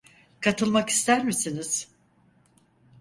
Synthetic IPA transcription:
kʰat̪ʰɯlˠmaki̥st̪æɾmisiniz̥

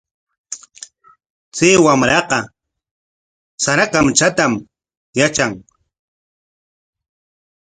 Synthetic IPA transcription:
t͡seːwamɾɑqɑ | saɾakamt͡ʃat̪am | jat͡ʃaŋ

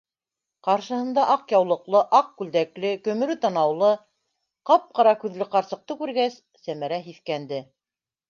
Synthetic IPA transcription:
qɑɾʃɤ̆hɤ̆nd̪ɑʔɑqjɑwlˠɤ̆qlˠɤʔɑq̚kʉld̪æklɘkɵ̆mɵ̆ɾɵt̪ɑnɑwlˠɤ | qɑp̚qɑɾɑkʉðlɘqɑɾsɤ̆q̚t̪ɤkʉɾɡæsːæmæɾæɦiθkænd̪ɘ

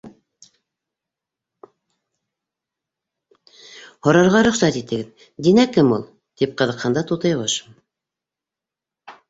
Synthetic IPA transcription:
hŏɾɑɾʁɑɾɵ̆χsæt̪it̪ɘ̆ɡɘð | d̪inækɘmulˠ | t̪ip̚qɤ̆ðɤ̆qhɑnd̪ɑt̪ut̪ɤ̆jʁɤʃ

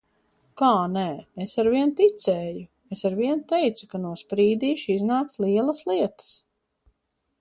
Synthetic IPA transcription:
kaːnɛːesaɾviɛnt̪it̪sɛːju | esaɾviɛnt̪ɛjt̪sukanuɔspɾiːd̪iːʃiznaːkslˠiɛlˠɐslˠiɛt̪ə̥s

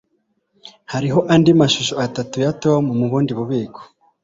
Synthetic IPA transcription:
haɾiɦo̞ʔandimaʃuʃoatatujatowamumuβuːndiβuβiːko̥

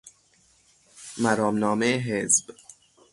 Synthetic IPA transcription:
mæɾɒːmnɒːmeɦezb̥

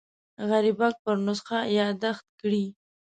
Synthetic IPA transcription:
ɣaɾibak̚pəɾnʊsxajɑd̪axt̪̚kɽi

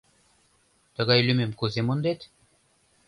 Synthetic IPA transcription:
t̪ɤ̆ɣɑjlymemkuzemond̪et̪

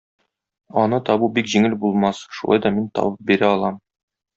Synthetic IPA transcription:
ɒnɤt̪ɒbubikʑiŋɘlbulˠmɑsʃulˠɑ̰jd̪ɒmint̪ɒ̰bɤp̚biɾæɒlˠɑm

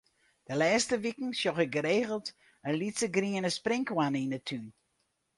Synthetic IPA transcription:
d̥əlɛːstəʋikŋ̩sjɔxəɡəɾeːɣəl̩ˠt | ənlitsəɡriənəsprɪŋkwaninətʰyn

